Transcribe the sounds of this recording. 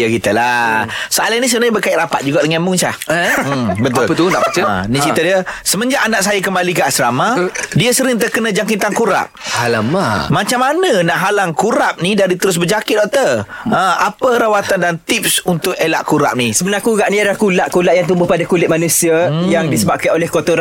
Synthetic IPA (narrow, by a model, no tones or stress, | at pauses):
akit̪əlasəalanisəbənaɲbəkaɪʔ̪ɾapat̪̚d͡ʒuɡaʔdəŋamʊŋsa̰ | bət̪ʊlpət̪unaat͡ʃəə̰nit͡ʃiədiəsəməɲd͡ʒaʔanaʔsajakəmbalikəasɾamadiəsəɾɪŋt̪̬əkənəd͡ʒaŋkint̪aŋkuɾa̰p̚halamamat͡ʃamːanə̃naʔɦalaŋkuɾap̚nidaɾit̪əɾʊs̬bəd͡ʒakɪt̪̚dɔʔt̪əə̃apəɾawat̪andant̪ip̚sunt̪ʊk̚ela̰ʔkuɾa̰p̚nisəbənakuɡaʔniadalahkulaʔkulaʔjaŋt̪̬umbʊhpadakulɪt̪̚manusiajaŋdisəbap̚kanolɛhkot̪oɾ